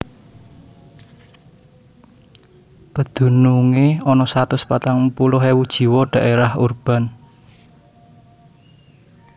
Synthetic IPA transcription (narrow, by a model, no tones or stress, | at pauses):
pəd̪̥ṳnuŋeɔnɔsat̪ʊspat̪aŋpulʊɦewud̥ʒ̥i̤wɔɖ̥ä̤ʔeɾahurb̥a̤n